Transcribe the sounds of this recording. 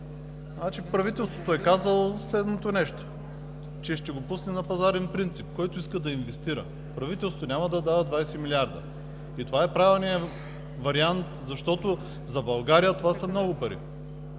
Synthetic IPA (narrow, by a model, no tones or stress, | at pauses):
at͡ʃipɾɐvit̪ɛlˠst̪vot̪oɛkazəlˠoslɛd̪not̪onɛʃt̪o̥ | t͡ʃɛʃt̪ɛɡopusnɛnɐpɐzaɾɛnpɾint̪sipkɔjt̪ʊiskəd̪ɐinvɛst̪iɾə̰ | pɾɐvit̪ɛlˠsot̪onʲamɐd̪ɐd̪avəd̪vajsɛmilʲiaɾd̪ə̰ | it̪ovaɛpɾavilˠnijə | vɐɾiant̪zɐʃt̪ɔt̪o | zɐbɐlˠɡaɾijət̪ovasɐmnɔɡʊpɐɾḭ